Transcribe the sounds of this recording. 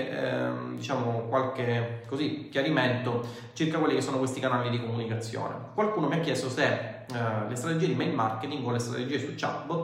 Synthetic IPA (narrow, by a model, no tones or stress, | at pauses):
d̪it͡ʃaːmokwalkekːozikːjaɾiment̪o | t͡ʃirkakwelːikesːoːnokwest̪ikanaːlid̪ikomunikat̪sːjo̰ːnḛkwalkuːnomiakːjɛst̪ose | lest̪ɾat̪ed͡ʒied̪imejlmarket̪iŋɡolest̪ɾa̰t̪ed͡ʒiːesut͡ʃːa̰pb